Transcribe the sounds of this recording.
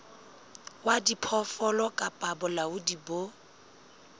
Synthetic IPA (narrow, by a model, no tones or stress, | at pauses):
wadipʰɔfɔlɔkʼapʼabʊlaʊdibo